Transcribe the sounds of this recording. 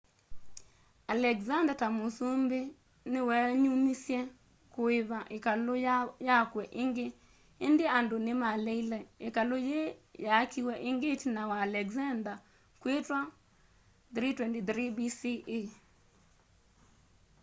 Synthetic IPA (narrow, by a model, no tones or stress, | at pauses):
alɛɡzandatamosombe | nɪwɛɲumisjɛ | kʊɪβaʔɪkalojakwɛʔɪŋɡɪ | ɪndɪandonɪmaleilɛɪkalojejakiwɛʔɪŋɡɪt͡ʃnawaːlɛɡzand̪a | kwetwa | d̪ɾitwɛndid̪ɾibisiʔi